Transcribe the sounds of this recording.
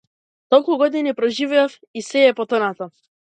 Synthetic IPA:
t̪ɔlˠkuɡɔd̪inipɾɔʒivɛaf | isɛɛpɔt̪ɔnat̪ɔ

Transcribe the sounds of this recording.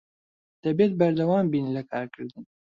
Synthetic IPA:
d̪̥ɐbet̪̚bɐɾd̪ɐwaːmbiːnlɐkʰaːɾkɨɾd̪ɨn

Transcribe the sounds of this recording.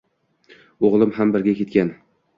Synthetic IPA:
oʁlˠɪmɦambɪɾɡʲakʲe̞t̪̚kʲan

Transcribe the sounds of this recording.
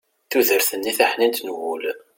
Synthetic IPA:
θuðəɾθənːiθaħnint̪nwul

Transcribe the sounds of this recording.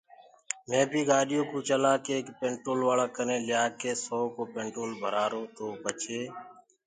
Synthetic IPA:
mẽːpiːɡaːɗɪjõːkũːt͡ʃəlaːkeːkpẽːɳʈoːlʋaːlaːkənẽːlɪjaːkeːsoːkoːpẽːɳʈɾoːlbʱəɾaːɾoːt̪oːpət͡ʃʰeː

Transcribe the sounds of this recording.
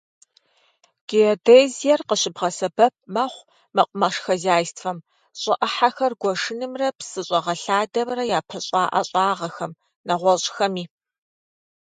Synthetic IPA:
ɡ̥iodeːzijɛrqəɕɪbʁɐsɐbɐp̚ʰmɐχʷ | mɐqʷʼʊmɐʂxɐzaːjstʰfɐm | ɕʼɪʔɐħaxɐrɡʷɔʂɨnɨmrɐpsɨɕʼɐʁɐɬaːdɐmrɐjaːpʰɐɕʼɑːʔɐɕʼɑːʁɐxɐm | nɐʁʷɔɕʼxɐmiː

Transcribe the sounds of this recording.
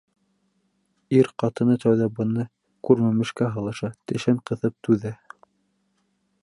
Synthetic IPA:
iɾqɑt̪ɤ̆nɤt̪æwðæbɤ̆nɤ | kʉɾmæmɘ̆ʃkæɦɤ̆lˠɤ̆ʃɑt̪ɘ̆ʃæɴqɤ̆θɤp̚t̪ʉðæ

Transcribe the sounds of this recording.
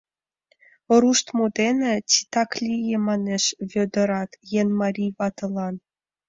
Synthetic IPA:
oɾuʃt̪mud̪enĕt͡sit̪ɑklʲijemɑneʃβʲød̪ɤ̆ɾɑt̪jenmɑɾʲijβɑt̪ɤ̆lˠɑn

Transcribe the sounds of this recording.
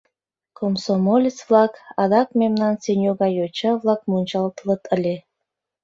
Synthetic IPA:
kʰomsomolʲit͡svlɑkɑd̪ɑk̚mʲemnɑnsenʲjuɣɑjot͡ɕɑvlˠɑk̚munʲt͡ɕɑlt̪lɤ̆t̪ʰə̆lʲe

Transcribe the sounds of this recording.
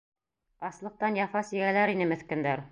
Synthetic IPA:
bɑslˠɤ̆q̚t̪ɑnjɑfɑsɘɡælæɾinɘmɘ̆θkɘ̆nd̪æɾ

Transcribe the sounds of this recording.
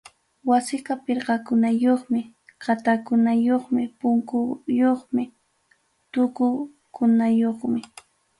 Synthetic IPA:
wasɪqɑpɪɾɢɑkʊnajoχmɪ | ɢat̪akʊnajoχmɪpʊŋkʊjoχmɪ | t̪ʊkʊ | kʊnajoχmɪ

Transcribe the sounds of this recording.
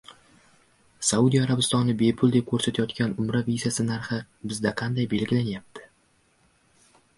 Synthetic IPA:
saud̪ijaɾabɪst̪ɒnːɪbe̞pʰʊlˠd̪ep̚kʲʰɵɾsat̪ʰajɒt̪kʲanʊmɾavizasɪnaɾχɪ | bɪzd̪aqʰɑnd̪ajbe̞lɡʲɪlanjap̚t̪ʰɪ̥

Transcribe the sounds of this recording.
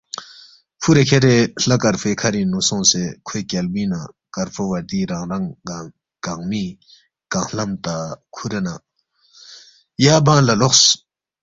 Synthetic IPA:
pʰuɾekʰeɾeɬakaɾpʰekʰaɾinosʰoŋsekʰøkalbina | karpʰowad̪iɾaŋraŋa | kaŋmi | kaŋlamt̪akʰuɾena | jabaŋlaloχs

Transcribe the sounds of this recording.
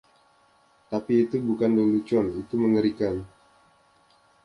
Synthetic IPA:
t̪apiːt̪ubukandulut͡ʃɔnit̪uməŋəɾikan

